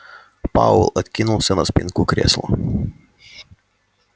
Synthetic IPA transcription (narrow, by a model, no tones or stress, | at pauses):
pa̰ʊlˠɐt̪ʲkʲinuːsʲɛnospʲɪŋkuːkɾʲɛ̰ːslˠo̰